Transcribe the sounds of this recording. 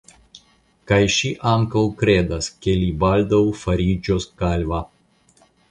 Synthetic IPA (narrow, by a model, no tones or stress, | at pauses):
kɐɪʃʲiːʔɑŋkɐlkɾʲeːd̪ɐskʲɛlʲiːbalʲd̪ɐwfɐɾʲiːd͡ʒʲoːskalʲʋɐ